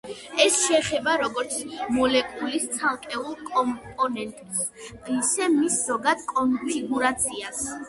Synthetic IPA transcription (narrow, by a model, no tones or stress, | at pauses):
ɛsʃɛχɛbaɾɔɡɔɾt̪sʰmɔlɛkʼulist̪sʰalˠkʼɛulˠkʼɔmpʼɔnɛnt̪ʼsisɛmisz̥ɔɡad̪̥kʼɔnfʰiɡuɾat̪sʰias